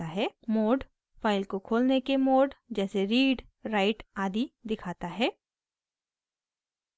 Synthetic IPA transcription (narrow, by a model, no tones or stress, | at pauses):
aɦɛːmoːɖ | faːɪlkokʰoːlnekemoːɖd͡ʒɛːseɾiːɖ | ɾaːɪʈaːd̪id̪ɪkʰaːt̪aɦɛː